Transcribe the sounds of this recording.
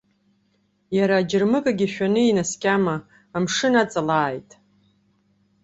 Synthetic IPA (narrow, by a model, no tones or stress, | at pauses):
jaɾaːd͡ʒɪrmɨkʼaɡʲiʃᶣanɨinaskʲʼamaː | mʂɨnat͡sʼalaːjtʼ